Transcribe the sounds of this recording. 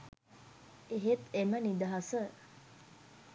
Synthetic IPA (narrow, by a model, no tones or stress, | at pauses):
eɦet̪emənid̪aɦasə